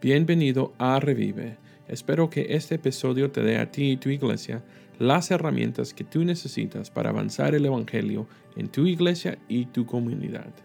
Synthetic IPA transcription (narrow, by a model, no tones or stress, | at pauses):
b̥je̞nbe̞niðo̞areβḭβḛ | espe̞ɾo̞ke̞̰ʔe̞st̪eːpiso̞ðjo̞t̪e̞ðe̞a̰t̪it̪uiɣle̞̰sja | lase̞ramjẽ̞̰nt̪aske̞t̪une̞se̞sḭt̪aspa̰ɾa̰ːβa̰nsa̰ɾe̞le̞βaŋxe̞ljo̞ | ent̪uiɣle̞sjait̪uko̞munḭða̰ð̥